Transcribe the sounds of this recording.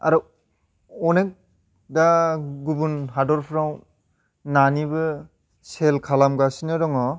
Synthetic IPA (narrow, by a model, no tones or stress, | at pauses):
a̰ɾɔ | ɔnek̚ | daɡubunɦadɔɾpʰɾaw | nanibɯ | selkʰalamɡasinɯɾɔŋɔ